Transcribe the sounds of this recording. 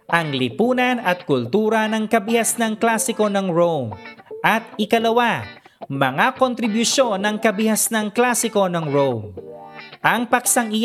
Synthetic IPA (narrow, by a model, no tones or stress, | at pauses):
ʔɐŋlɪpuːnɐnɐt̪̚kʊlt̪uːɾɐnɐŋkɐbɪhasnɐŋklasɪko̞nɐŋɹowmʔɐt̪̚ɪkɐlɐwa | mɐŋakont̪ɾɪbjʊʃo̞nːɐŋkɐbɪhasnɐŋklasɪko̞nɐŋɹom | ʔɐŋpɐksɐŋɪ